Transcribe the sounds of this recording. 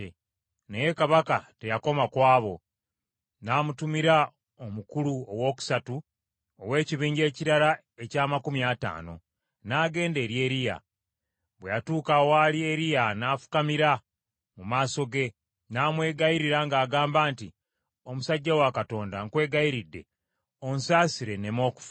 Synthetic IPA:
neje̞kaβakate̞jako̞makwaːβo̞ | naːmutumiɾa | omukuluowo̞ːku̥satu | owe̞ːciβiːɲɟe̞ːciɾaɾa | e̞caːmakumjata̰ːno̞̰ | naːɡe̞ːnde̞ːɾje̞ːɾija̰ | βwejatuːkawalieɾijanaːfu̥kamiɾa | mumaːso̞ɡe̞ | naːmwe̞ːɡaiɾiɾaŋɡaːɡaːmbaːnti | o̞musaɟːawakato̞ːndaŋkwe̞ːɡaiɾidːe̞̰ | o̞nsaːsiɾe̞ne̞mo̞ːku̥f

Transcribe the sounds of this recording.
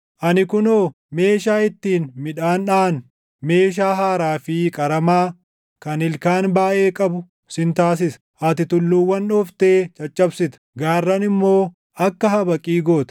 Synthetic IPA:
ʔɐnɪkʊnoː | me̞ːʃaːɪt̪ːiːnmɪᶑaːnᶑaːn | me̞ːʃ̬aːɦaːɾaːfɪkʼɐɾɐmaː | kɐnɪlkaːnbaːʔe̞ːkʼɐbʊ | sɪnt̪aːs̬ɪsɐ̥ | ʔɐt̪ɪt̪ʊlːuːwːɐnᶑɔft̪e̞ːt͡ʃʼɐt͡ʃʼːɐbsɪt̪ɐ̥ɡaːrːɐnɪmːo̞ː | ɐkːɐɦɐbɐkʼiːɡo̞ːt̪ɐ̥

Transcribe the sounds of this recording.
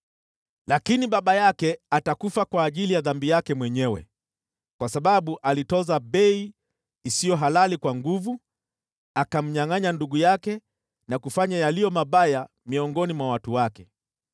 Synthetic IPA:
lakiniɓaɓajakɛatakufakwaːʄilijaðambijakɛmwɛɲɛwɛ̰ | kwasaɓaɓuʔalitɔzaɓɛiː | sijɔɦalalikwaŋɡuvu | akam̩ɲaŋaɲanduɠujakɛ | nakufaɲajalijɔmaɓaja | miɔŋɡɔnimwawatuwakɛ

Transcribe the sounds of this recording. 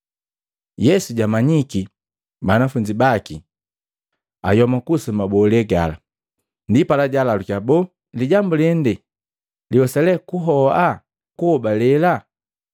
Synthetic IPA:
jɛsuɟamaɲiki | banafuɲd͡ʒibaki | a̰jɔmakusumabɔlɛɡa̰la̰ | ndipalaɟalalukabɔ | liɟambulɛndɛ | liɔsɛlɛkuɦɔa | kuhɔbalɛla

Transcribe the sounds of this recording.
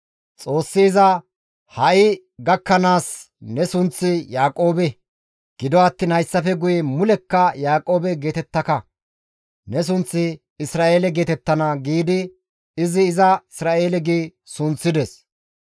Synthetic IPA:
t͡sʼo̞ːsːiːzɐ | hɐʔɪ | ɡɐkːɐnaːs | nɛsʊnt͡sːɪjaːkʼo̞ːbɛ | ɡ̥ɪd̪ɔɐt̪ːiːnhɐjsːɐfɛɡʊjɛmʊlɛkːɐjaːkʼo̞ːbɛɡe̞ːt̪ɛt̪ːɐkɐ | nɛs̬ʊnt͡sːɪ | ɪsɾaːʔe̞ːlɛɡe̞ːt̪ɛt̪ːɐnɐɡiːd̪ɪ | ɪzɪːzɐɪsɾaːʔe̞ːlɛɡiːsʊnt͡sːɪd̪ɛs

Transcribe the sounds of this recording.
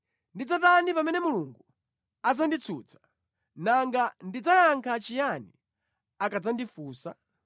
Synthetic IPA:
ndid͡zatanipamɛnɛmuluŋɡu | ad͡zandit͡sʰṵːt͡sʰḁ | naŋɡandid͡zajaŋkʰat͡ʃijani | akad͡zandifuːsa

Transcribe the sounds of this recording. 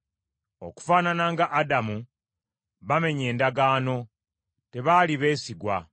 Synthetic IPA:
o̞̰ku̥faːnanaŋɡaʔːdamu | βame̞ɲe̞ːndaɡaːno̞ | te̞βaːliβe̞ːsiɡwa̰

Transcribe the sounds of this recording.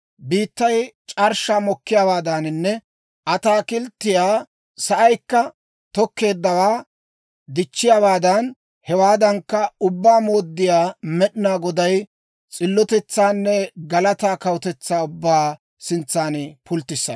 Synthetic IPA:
biːt̪ːɐjt͡ʃʼɐɾʃaːmɔkːɪjaːwaːd̪anɪnːɛ | ʔɐt̪aːkɪlt̪ːɪjaː | sɐʔɐjkːɐ | t̪ɔkːe̞ːd̪ːɐwaː | d̪ɪt͡ʃːɪjawaːd̪ɐn | hɛwaːd̪ɐŋkːɐʊbːaːmoːd̪ːɪjaːmɛɗnaːɡɔd̪ɐj | t͡sʼɪlːɔt̪ɛt͡sːaːnːɛɡɐlɐt̪aːkɐwɔt̪ɛt͡sːaːʊbːaː | sɪnt͡sːaːnpʊlt̪ːɪsːɐ̰

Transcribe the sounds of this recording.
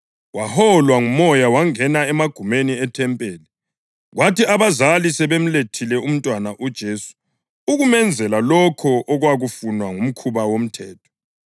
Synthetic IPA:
wahɔlwaŋumɔjawaŋɛnaɛmaɡ̥ʱumeniɛtʰɛmpʼɛːlɛ | ɣwatiaβazalisɛβem̩letʰilɛum̩tʼwanaʔud̥ʒ̥ʱeːsu̥ | uɣumɛnd͡zʱɛlalɔkʰɔʔɔɣwaɣufunwaŋum̩kʰuβawom̩tʰɛːtʰɔ̥

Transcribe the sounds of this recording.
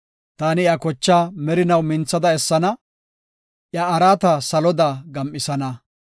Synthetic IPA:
t̪aːnɪjakɔt͡ʃːaːmɛɾɪnɐwmɪnt͡sːɐd̪ɐɛsːɐnɐ | ʔjɐːɾaːt̪ɐsɐlɔd̪aːɡɐmʔːɪsɐnɐ

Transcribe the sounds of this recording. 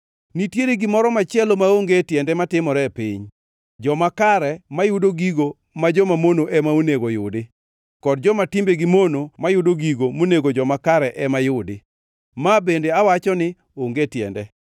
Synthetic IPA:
nitjeɾeɡɪmɔɾɔmat͡ʃɛlomaoŋɡetjɛndɛmatɪmɔɾɛpiɲ | d͡ʒɔmakaɾɛmajʊdoɡiɡo | mad͡ʒɔmamonoʔɛmaoneɡojʊdɪ | kɔd̚d͡ʒɔmatɪmbeɡɪmonomajʊdoɡiɡomoneɡod͡ʒɔmakaɾɛʔɛmajʊdɪ | mabendeawat͡ʃɔnɪ | oŋɡetjɛ̰ndɛ

